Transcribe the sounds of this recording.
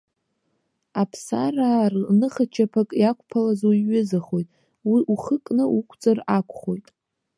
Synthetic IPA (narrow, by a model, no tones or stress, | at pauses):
apʰsaraːrnɨχat͡ʃʰapʰakʼjakʷʰʼpʰalazoiɥʊzaχo̞jtʼ | wiʔuχəkʼnɨʔukʷʰt͡sʼarakʷʰʼχo̞jtʼ